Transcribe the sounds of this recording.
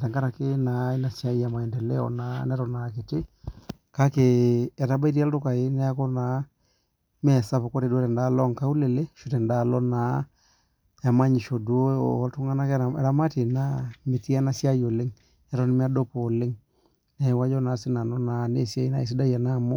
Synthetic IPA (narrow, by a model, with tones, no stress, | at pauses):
ta˨ŋɡa˦ɾa˨kɪ˦na˨i˦na˨sja˦ja˨ma˨ɛ˨ndɛ˨lɛ˦ɔ̰˨na˦nɛ˦ɾɔ˨na˨k̬e˨tɪ˦ | ka˦ke˨ɛ˨ta˦ba˦i˦ɾa˦ltʊ˦ka˨ɪ˦nɛ˦a˦kɔ˦na˨˦ | mɛ˦˨sa˦po˨ko˦ɾe˨dtɛ˨nda˦lɔ˦ŋka˦u˦le˨le˦ʃu˨tɛ˨nda˦˨lɔ˦na˨˦ | ɛ˨ma˦ɲi˨ʃo˨dwo̰˦˨˦tʊ˦ŋa˦na˦kɛ˨ɾa˦ma˦te˨na˦mɪ˨ti˦a˦na˦sja˦jo˨le˦ŋ | ɛ˦ɾɔ˦nɪ˦mi˦a˦do˦po˨le˦ŋ | nɛ˨wa˦d͡ʒɔ˦na˨˦sɪ˦na˨nɔ˦na˨ne˦˨sja˦i˦na˦˨e˨s̬i˦da˦ja˨na˦˨mo˦